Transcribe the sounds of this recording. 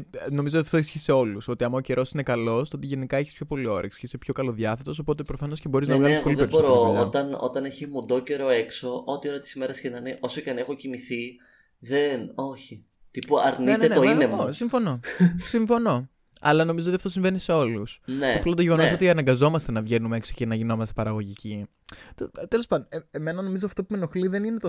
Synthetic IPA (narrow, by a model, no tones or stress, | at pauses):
no̞mizot̪iɐft̪oisçiseo̞luso̞t̪iɐmɐoce̞ɾʔo̞sine̞kɐlo̞st̪oot̪iʝe̞nikɐeçispçopo̞lio̞ɾɐ̰eksçisepço̞kɐlo̞ðʝɐθe̞t̪o̞s̬o̞po̞t̪e̞pɾo̞fɐno̞scebo̞ɾiznɐkɐnipolipesboɾoot̪ɐno̰t̪ɐneçemud̪o̞ce̞ɾo̞e̞kso̞ʔo̞t̪io̞ɾɐt̪isime̞ɾɐsçenɐneʔo̞soceɐne̞xo̞cimiθi | ðeno̞çi | t̪ipuɐɾninenoinemosiɱfo̞no̞siɱfo̞no̞ | ɐ̰lɐno̞mizootiɐft̪osiɱve̞nise̞o̞lusneɐplɐt̪oʝe̞ɣo̞nos̬o̞t̪iɐnɐŋɡɐzo̞mɐst̪e̞nɐvʝe̞numeeksocenɐʝino̞mɐst̪epɐɾɐɣo̞ʝici | t̪t̪elo̞spɐnoeme̞nɐno̞mizoɐft̪o̞pumeno̞xliðe̞ninet̪o